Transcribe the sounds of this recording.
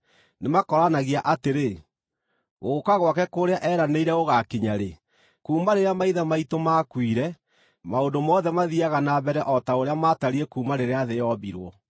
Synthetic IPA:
nemakɔɾanaɣiaʔateɾe | ɣokaɣwakɛkoɾeaʔɛɾaneiɾɛoɣakiɲaɾe | kuːmaɾeɾeamaiðamaitomakwiɾɛ | maondomɔðɛmaðiaɣanabɛɾɛʔɔtaoɾeamataɾiekuːmaɾeɾeaðejɔβiɾwɔ

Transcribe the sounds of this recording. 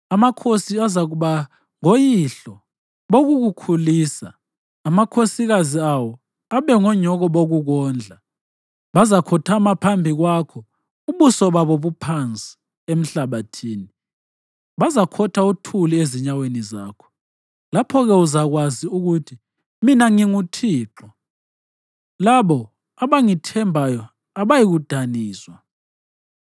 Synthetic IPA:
amakʰosiazaɣuβa | ŋojiɬɔ | βoɣuɣukʰuliːsa̰ː | makʰosiɣaziawɔ | aβɛŋɔɲɔɣɔβoɣuɣɔːnd͡ɮʱa | βazakʰɔtʰamapʰambʱiɣwakʰɔ | uβusɔβaβoβupʰant͡sʼi̥ | em̩ɬaβatʰiːni | βazakʰɔtʰautʰulieziɲaweniza̰ːkʰɔ̥ | lapʰɔɣɛuzaɣwaziuɣutʰi | minaŋiŋutʰiːǁɔ | laβɔ | aβaŋitʰɛmbʱajɔ | aβajiɣud̥ʱaniːswa

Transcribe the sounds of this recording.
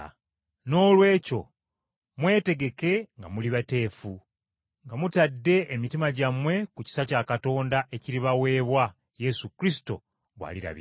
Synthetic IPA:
no̞ːlwe̞ːco̞ | mwe̞ːte̞ɡe̞ke̞ŋɡamuliβate̞ːfu | ŋɡamutadːe̞ʔːmitimaɟamwe̞kuci̥sacaːkato̞ːndaʔeciɾiβawe̞ːβwa | je̞sukɾisi̥to̞ | βwa̰liɾa̰βḭ

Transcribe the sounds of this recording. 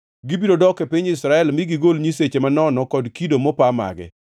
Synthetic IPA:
ɡibidodɔkepiɲɪsɾaɛlmiɡiɡolɲiset͡ʃemanɔnɔkɔdkidomɔpama̰ɡɛ̰

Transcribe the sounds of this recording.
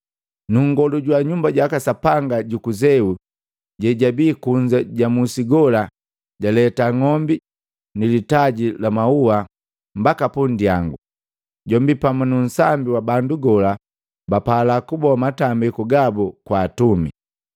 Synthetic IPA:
nuŋɡɔluɟwaɲumbaɟwakasapaŋɡaɟukuzɛu | ɟɛɟabiːkuɲd͡ʒaɟamusiɡɔla | ɟalɛtaŋɔmbi | nilitaɟilamaua | m̩bakapundia̰ŋɡu | ɟɔmbipamunun̩sambiwabanduɡɔla | bapalakubɔamatambikuɡabukwaːtumḭ

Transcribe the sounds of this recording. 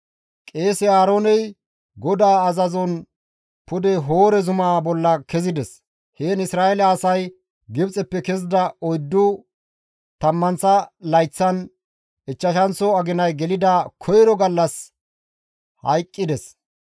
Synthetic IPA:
kʼe̞ːsɪaːɾoːnɛj | ɡɔd̪aːɐzɐzɔn | pʊd̪ɛɦo̞ːɾɛzʊmaːbɔlːɐkɛzɪd̪ɛs | heːnɪsɾaːɛlɐːsɐj | ɡɪbt͡sʼɛpːɛkɛzɪd̪ɐɔjd̪ːʊ | t̪ɐmːɐnt͡sɐlɐjt͡sːɐn | ɪt͡ʃːɐʃɐnt͡sːɔɐɡɪnɐjɡɛlɪd̪ɐkʰɔjɾɔɡɐlːɐs | hɐ̰jkʼːɪd̪ɛs

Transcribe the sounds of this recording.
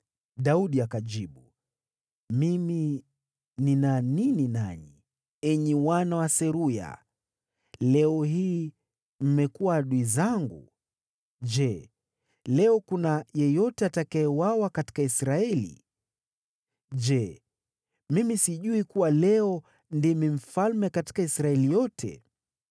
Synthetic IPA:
ɗauɗiakaʄd͡ʒiɓu | mimi | ninanininaɲi | ɛɲɛwanawasɛɾuja̰ | lɛɔɦiː | m̩mɛkuwaɗuizaŋɡu | d͡ʒɛ | lɛɔkunajɛjɔtɛatakaɛwawakati̥kaisɾaɛlḭ | ʄd͡ʒɛ | mimisiʄuikuwalɛɔ | ndimim̩falmɛkati̥kaisɾaɛlijɔtʰɛ̰

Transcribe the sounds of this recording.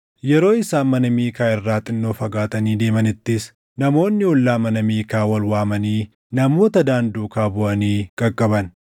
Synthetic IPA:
jɛɾo̞ːɪsaːnmɐnɐmiːkaːɪrːaːt̪ʼɪnːo̞ːfɐɡaːt̪ɐniːd̪e̞ːmɐnɪt̪ːɪs | nɐmo̞ːnːɪɔlːaːmɐnɐmiːkaːwɐlwaːmɐniː | nɐmo̞ːt̪ɐd̪aːnd̪uːkaːbʊʔɐniːkʼɐkʼːɐbɐn

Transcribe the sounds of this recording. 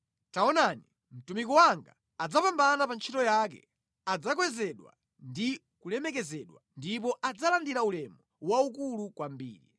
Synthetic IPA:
taɔnani | m̩tumik̬ɔwaŋɡa | ad͡zapambanapant͡ʃʰitɔjakɛ̰ | ad͡zakwɛzɛɗwa̰ | ndi | kulɛmɛk̬ɛzɛɗwandip̬ɔʔad͡zalandiɾaulɛmɔwaukulukwambḭːɾḭ

